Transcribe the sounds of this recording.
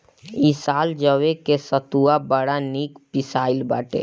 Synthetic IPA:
isaːld͡ʒəʋekesət̪uabəɽaniːkpɪsaːɪlbaːʈḛː

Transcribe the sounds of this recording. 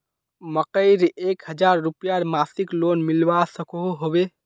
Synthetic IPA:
məkəɪɾekɦəd͡ʒaɾːupijaɾmasiklonmilbasəkoɦobe

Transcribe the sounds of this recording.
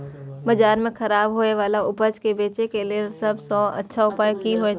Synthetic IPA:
bɐd͡ʒaːɾmẽxɐɾaːbɦoːeʋaːlaʊpəd͡ʒkebeːt͡ʃekeliesɐbsɔ̃ːɐ̰tːʃʰaʊpaːjkiɦoe

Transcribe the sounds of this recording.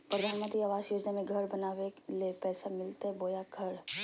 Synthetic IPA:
pɾɐd̪ʱaːnmə̃nt̪ɾiaːʋaːzjoːd͡ʒnamẽɡʱɐɾbɐnaːʋelepɛːsamɪlt̪eɦɛboːjaɡʱɐɾ

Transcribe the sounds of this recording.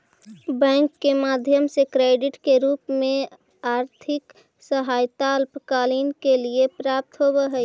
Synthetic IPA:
bɛ̃ːŋkːemaːd̪ʱjəmsekɾeːɖɪʈkeɾuːpmẽ | aːɾt̪ʰɪk | səɦaːjt̪aəlpəkaːliːnkeliepɾaːp̚t̪ɦoːbeɦɛ

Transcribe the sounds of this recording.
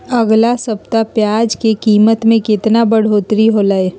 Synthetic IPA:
ɐɡlasɐp̚t̪apjaːd͡ʒkekiːmət̪mẽkɪt̪nabɐɽ̤oːt̪ɾiɦolae

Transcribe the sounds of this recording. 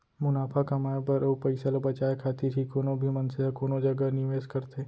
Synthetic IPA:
mʊnaːfʰakɐmaːjebɐɾopɐɪsalabɐt͡ʃaːekʰaːt̪iɾʰikoːnõbʱimɐnseakoːnõd͡ʒɐɡənɪʋeːskɐɾt̪eː

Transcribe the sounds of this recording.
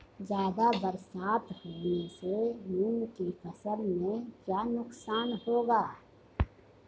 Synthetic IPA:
d͡ʒjaːd̪abəɾsaːt̪hoːnesemuːnkifʰəsəlmẽkjaːnʊksaːnhoːɡaː

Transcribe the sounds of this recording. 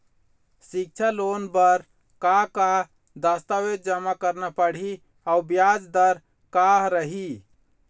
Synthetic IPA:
sik̚t͡ʃʰalonbəɾ | kaka | d̪əst̪aʋed̪̚d͡ʒəmakəɾnapəɽ̤i | aubjad͡ʒd̪əɾ | kaɦɾəɦi

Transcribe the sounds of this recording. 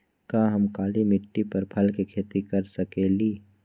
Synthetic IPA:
kaːɦɐmkaːlimɪʈːipɐɾpʰɐlkekʰeːt̪ikɐɾsɐkeːliː

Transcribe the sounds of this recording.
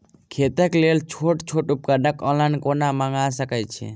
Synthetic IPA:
kʰet̪əklelt͡ʃʰoʈt͡ʃʰoʈup̚kaɖəkɔ̃nlankonaməŋɡasəkɛt͡ʃʰɛ̰

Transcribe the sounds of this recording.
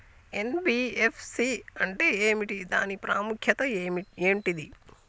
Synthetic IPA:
e̞nbiːepʰsiɐɳʈe̞eːmiʈid̪a̰ːnipɾaːmukʰjɐt̪ɐmieːmʈid̪i

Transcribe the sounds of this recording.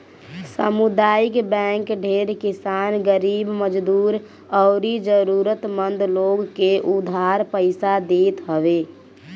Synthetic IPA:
səmud̪aːɪkbɛ̃ŋkɖʱeɾkisaːnɡəɾiːbməd͡ʒd̪uːɾ | ɔʊɾid͡ʒəɾuɾət̪mənd̪loɡkeʔud̪ʱaɾpəɪsad̪et̪ɦəʋe

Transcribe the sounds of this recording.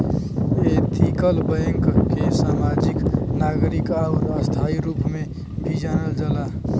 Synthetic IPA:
et̪ʰiːkəlbəə̃ŋkkesaːmaːd͡ʒɪknaːɡɾɪkaʊɾəst̪ʰaːiɾuːpmẽ | bʱid͡ʒaːnəld͡ʒəlaː

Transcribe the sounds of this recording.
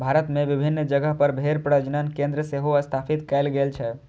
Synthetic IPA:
bʱaɾət̪meʋibʱinːd͡ʒəɡəɦpəɾbʱeɾpɾəəd͡ʒnənkẽnd̪ɾəseɦoəst̪ʰapʰit̪kɛɪlɡelt͡ʃʰɛ

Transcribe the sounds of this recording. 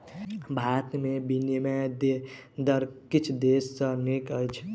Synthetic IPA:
bʱat̪mebinemɛd̪e | d̪əɾkit͡ʃʰd̪esːə̃nekəjt͡ʃʰ

